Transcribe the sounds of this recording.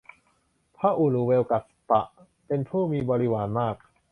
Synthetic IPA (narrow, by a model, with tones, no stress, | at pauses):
pʰaː˥˩ʔu˨˩luː˨˦we˧wka˨˩t̪̚t̪a̰˨˩ʔ | pe˧npʰuː˥˩miː˧bɔː˧ɾi˦˧waː˩˦nmaː˥˩k̚